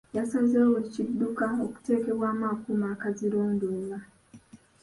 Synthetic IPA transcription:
jasazewecidːukaoku̥te̞ːkeβwaːmaːkumaːkaziɾoːnduːmba

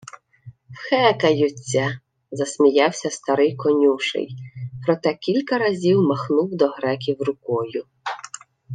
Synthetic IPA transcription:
wxɛkɐjʊt͡sʲːɐ | zɐsʲmʲijɑwsʲɐst̪ɐɾɪjkɔnʲuʃɪ̰jpɾɔt̪ɛkʲilʲkɐɾɐzʲiwmɐxnuwd̪ɔɦɾɛkʲiwrʊkɔjʊ

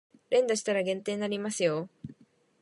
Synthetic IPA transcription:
ɾend̪ast̪aɾaɡent̪enanimaθjo

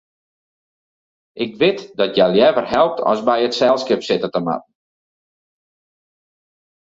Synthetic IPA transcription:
ʔɪkʋɪtdɔtjɛljɛvərɦɛlˠp̚tʰɔ̰sbɛjətsɛlˠskɪpsɪtətəma̰tn̩

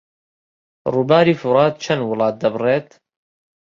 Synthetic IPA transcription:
ɾˤubaːɾiːfʊɾˤɑːt̪̚t͡ʃɐnwʊlɑːt̪̚d̪ɐbɾˤeːt̪

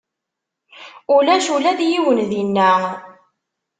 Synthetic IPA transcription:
ulæʃulæd̪jiwənðinːə

